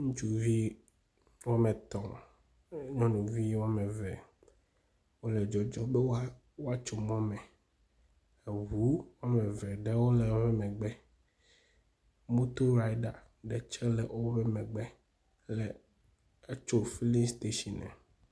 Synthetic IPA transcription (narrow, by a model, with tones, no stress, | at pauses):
ŋũ˦t͡ʃu˨vi˦ | wo˦mɛ˨t̪ɔ̃˨ | ɲɔ̃˦nũ˨vi˦wa˦mɛ̃˨vɛ̰˨ | wo˦lɛ˨d͡ʒɔ˦d͡ʒɔ˦bɛ˦wa˦ | wo˦a˦t͡ʃo˨mɔ̃˦mɛ̃˨ | e˨ɦu˨˦wa˦mɛ˨vɛ˨ɖɛ˦wo˦lɛ˨˦vɛ˦mɛ̃˨ɡ͡bɛ˦ | mo˦t̪o˦ɾa˦jɖa˨ | ɖɛ˨t͡ʃɛ˦lɛ˨ʔo˦vɛ˦mɛ̃˨ɡ͡bɛ˦ | lɛ˨ | ɛ˦t͡ʃo˦fi˦li˦st̪e˦ʃi˨nɛ̰̃˨